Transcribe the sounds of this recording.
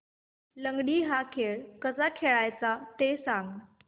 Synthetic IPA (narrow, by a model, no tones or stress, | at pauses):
ləŋɡɽiːɦakʰeɭkəsakʰeɭajt͡sat̪esãŋɡ